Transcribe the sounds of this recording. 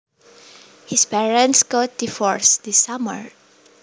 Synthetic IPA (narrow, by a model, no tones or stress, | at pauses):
hispɛɹə̃ntsɡot̚difɔɹsd̪isːamə̰ɹ